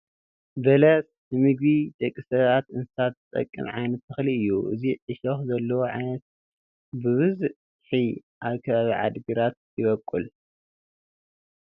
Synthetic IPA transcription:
bɐlɐs | nɨmɨɡβid̪ɐkʼːisɐβat̪ɨnsɨsat̪t̪ʼɐ̰kʼːɨ̰mʕa̰jnɐt̪ːɨxliɨjːuʔɨ̰ziʕɨʃɐxzɐlːɐwoʕajnɐt̪̚ | bɨβɨz | ħiʔaβkʰɐβaβiʕa̰d̪ɡiɾat̪̚jɪβɐkʼːul

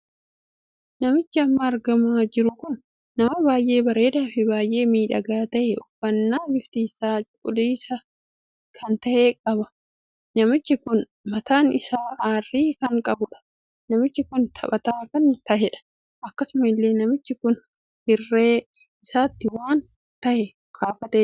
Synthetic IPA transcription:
nɐmɪt͡ʃːɪɐmːɐːɾɡɐmaːd͡ʒɪɾʊkʊnː | ɐmɐbaːjʔe̞ːbɐɾe̞ːd̪aːfɪbaːjʔe̞ːmiːᶑɐɡɐt̪ɐʔɛɔfɐnːaːd͡ʒɪft̪iːsaːt͡ʃkʼːʊd̪iːsɐ | kʰɐnt̪ɐʔeːkʼɐbɐ̥ | nɐmɪt͡ʃːɪkʊn | mɐt̪aːnɪsaːʔaːrːiːkɐŋkʼɐbʊᶑɐ̥ | nɐmɪt͡ʃːɪkʊnt̪ʰɐpʼɐt̪aːkɐnt̪ɐʔɛᶑɐ̥ | ʔɐkːɐsʊmɪlːe̞ːnɐmɪt͡ʃːɪkʊn | hɪrːe̞ː | ɪsaːt̪ːɪwaːn | t̪ɐʔɛ | kʰaːfɐt̪e

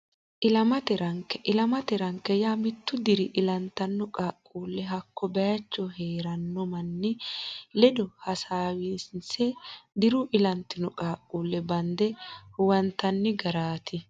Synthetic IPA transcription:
ʔɪlɐmɐt̪ɛɾɐŋkɛʔɪlɐmɐt̪ɛɾɐŋkːɛjamɪt̪ːʊd̪ɪɾɪʔɪlɐnt̪ɐnːɔkʼaːkʼːuːlːɛɦɐkːɔbɐjɐt͡ʃːɔheːɾɐnːɔmɐnːɪlɛd̪ɔhɐsaːwiːsɪnsɛd̪ɪɾʊʔɪlɐnt̪ɪnɔkʼaːkʼːuːlːɛbɐnd̪ɛʊwɐnt̪ɐnːɪɡɐɾaːt̪ʰɪ

